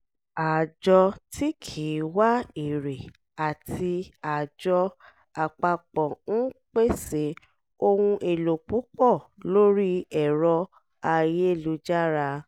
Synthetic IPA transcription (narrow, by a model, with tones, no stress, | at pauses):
a˨d͡ʒɔ˧tʰi˦kʰi˨˦wa˦i˨ɾe˨ | a˨ti˧a˨d͡ʒɔ˧ | a˨k͡pa˧k͡pɔ̃˨n̩˦k͡pe˦se˨˦ | o˧wũ˧ʔe˧lo˨k͡pu˨˦k͡pɔ˦˨lo˦ɾi˦ɛ˨ɾɔ˧ | a˧je˦˨lu˧˦d͡ʒa˦ɾa˧